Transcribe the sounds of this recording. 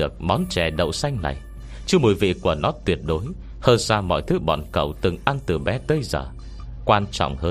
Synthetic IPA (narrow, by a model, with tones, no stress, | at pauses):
ɨ˨˩ək̚mɔ˨˦nt͡ɕɛ˨˩ɗə̰˧˨wsa˧jŋ̟na̰˨˩j | t͡ɕɨ˨˧mo˨˩jvḭ˧˨ku˧˩ənɔ˨˦t̪wi˨˩ət̚ɗo˨˦j | həː˧nsaː˧mɔ̰˧˨jt̪ʰɨ˨˦ɓɔ̰˧˨nkə̰˧˨wt̪ɨ˨˩ŋʔa˧nt̪ɨ˨˩ɓɛ˨˦t̪əː˨˦jzəː˨˩ | kwaː˧nt͡ɕɔ̰˧˨wŋ͡mhəː˧